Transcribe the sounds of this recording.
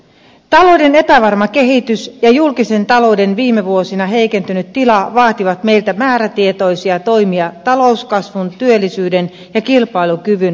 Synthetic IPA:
t̪ɑlo̞wde̞ne̞pæʋɑrmɑke̞ɦit̪ysjɑjulkise̞nt̪ɑlo̞wde̞nʋiːmːe̞ʋuo̞sinɑɦe̞jke̞nt̪ynyt̪tːilɑʋɑːt̪iʋɑt̪me̞jlt̪æmæːɾæt̪ie̞t̪o̞jsiɑt̪o̞jmiɑt̪ɑlo̞uskɑsʋunt̪yølːˑisyːde̞n | jɑkilpɑilukyʋyn

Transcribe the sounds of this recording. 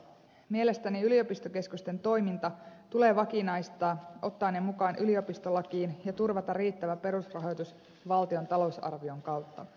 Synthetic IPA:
mie̞le̞st̪æniylio̞pist̪oke̞skust̪e̞nt̪o̞jmint̪ɑt̪ule̞ːʋɑkinɑjst̪ɑːʔo̞t̪ːɑːnːemukɑːnʔylio̞pist̪o̞lːɑkiːnjɑt̪urʋɑt̪ɑriːt̪ːæʋæpe̞ɾusrɑɦo̞jt̪us | ʋɑlt̪io̞nt̪ɑlo̞usɑ̰rʋio̞ŋkɑwt̪ːɑ

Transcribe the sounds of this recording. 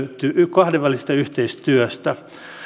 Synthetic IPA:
yt̪ːykɑhdeʋʋælisest̪ɑyht̪eist̪yøst̪æ

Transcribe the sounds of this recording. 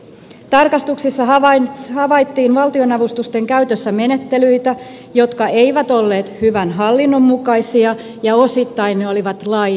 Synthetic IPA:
t̪ɑrkɑst̪uksisːɑɦɑhɑʋɑjt̪ːiːnʋɑlt̪io̞nɑʋust̪ust̪e̞ŋkæyt̪øsːæme̞ne̞t̪ːe̞lyjt̪æ | jo̞t̪kɑe̞jʋæt̪o̞lːe̞ːt̪hyʋænɦɑlːinːo̞mːukɑjsiɑ | jɑo̞sit̪ːɑjnːeo̞liʋɑt̪lɑj

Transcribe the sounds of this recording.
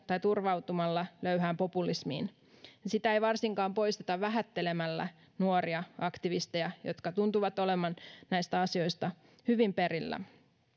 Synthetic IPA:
t̪ɑjt̪urʋɑut̪umɑlːɑløyɦæːmpo̞pulismḭːn | jsit̪æejʋɑrsiŋkɑːmpo̞jst̪et̪ɑʋʋæɦæt̪ːe̞le̞mælːæ̰ | nuoɾiɑɑkt̪iʋist̪ejɑjo̞̰t̪kɑt̪unt̪uʋɑt̪ole̞mɑnnæjst̪æɑsio̞jst̪ɑ | hyʋimpeɾilːæ̰

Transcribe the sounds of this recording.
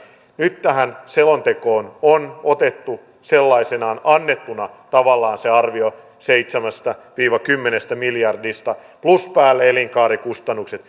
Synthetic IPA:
nyt̪t̪æhænselont̪ekoːnonot̪et̪ːu | selːɑisenɑːnɑnːet̪ːunɑt̪ɑʋɑlːɑːnseɑrʋio | seit̪semæst̪ɑʋiːʋɑkymːenest̪æmiljɑrdist̪ɑ | pluspæːlːeeliŋkɑːɾikust̪ɑnːukset̪

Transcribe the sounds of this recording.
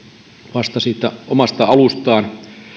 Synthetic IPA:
ʋɑst̪ɑsiːt̪ːˑæʔomɑst̪ɑɑlust̪ɑːn

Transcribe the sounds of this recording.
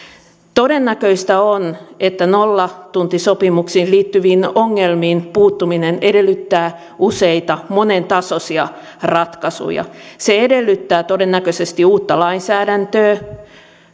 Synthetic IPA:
t̪odenːækøist̪æonet̪ːænolːɑt̪unt̪isopimuksiːnliːt̪ːyʋiːnoŋːelmiːnpuːt̪ːumineneɾelːyt̪ːæː | useit̪ɑmonent̪ɑsosiɑ | rɑt̪kɑsṵjɑ̰seedelːyt̪ːæːt̪odenːækøsest̪iuːt̪ːɑlɑinsæːɾænt̪øː

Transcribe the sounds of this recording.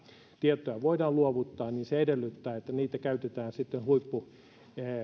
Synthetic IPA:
t̪iet̪ːˑojɑʋoidɑːluoʋut̪ːɑːniːnseedelːyt̪ːæːet̪ːæniːt̪ækæyt̪et̪æːnsit̪ːenhuipːu

